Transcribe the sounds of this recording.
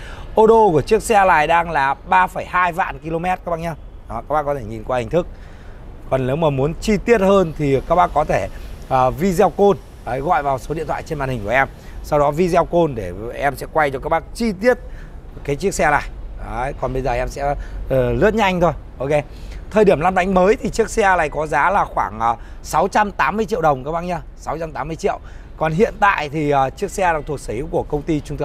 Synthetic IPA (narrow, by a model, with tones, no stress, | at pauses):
ʔo˧ɗo˧ku˧˩ət͡ɕɨ˦˥ək̚sɛ˧laː˨˩jɗaː˧ŋlaː˨˩ɓaː˧fə˧˩jhaː˧jva̰ː˧˨nki˧lo˧mɛ˦˥t̚kaː˦˥kɓa˧˩ɲa˧w | kaː˦˥k̚ɓaː˦˥kɔ˨˦t̪ʰe˧˩ɲi˨˩nkwaː˧hï˨˩ŋ̟t̪ʰɨ˦˥k̚ | kɔ˨˩nne˨˦wməː˨˩mu˨˦ənt͡ɕi˧t̪i˦˥ət̚həː˧nt̪ʰi˨˩kaː˦˥k̚ɓaː˧˥kɔ˨˦t̪ʰe˧˩ʔəː˨˩vi˧zɛ˧wko˧n | ʔə˨˦jɣɔ̰˧˨jvaː˨˩wso˨˦i˧ənt̪ʰa̰ː˧˨t͡ɕe˧nmaː˧˨nhï̟˨˩ku˩ʔɛ˧m | sa˧wɗɔ˨˦vi˧zɛ˧wko˧nɗe˧˩ʔɛ˧msɛ̰˧˥kwa˧jt͡ɕɔ˧kaː˦˥k̚ɓaː˦˥k̚t͡ɕi˧t̪i˦˥ət̚ | kaː˨˦jt͡ɕɨ˦˥ək̚sɛ˧la̰ː˨˩jəː˨˦jkɔ˨˩nɓə˧jzəː˨˩ʔɛ˧msɛ̰˧˥˨lɨ̰˧˥t̚ɲ˦ɲa˧jŋ̟t̪ʰo˧jʔo˧ke˧˦ | t̪ʰəː˨˩jɗi˧˩əmla˧nɓa˨˦ŋ̟məː˨˦jt̪ʰi˨˩t͡ɕɨ˦˥ək̚sɛ˧laː˨˩jkɔ˨˦zaː˨˦laː˨˩xwaː˧˩ŋʔəː˨˩sa˨˦wt͡ɕa˧mt̪aː˨˦mːɨ˧əjt͡ɕḭ˧əwɗə˨˩wŋ͡mkaː˨˦wɓa˧˨ŋɲə˧ | sa˨˦wt͡ɕa˧mt̪aː˨˦mːɨ˧ət͡ɕḭ˧˨əw | kɔ˨˩nɦḭ˧˨ənt̪a̰ː˧˨jt̪ʰi˨˩ʔəː˨˩t͡ɕɨ˦˥ək̚sɛ˧laː˨˩t̪ʰu˨˩ək̚səː˧˩hi˨˧˥wku˧˩əkə˧wŋ͡mt̪i˧t͡ɕʊ˧ŋ͡mt̪ʰː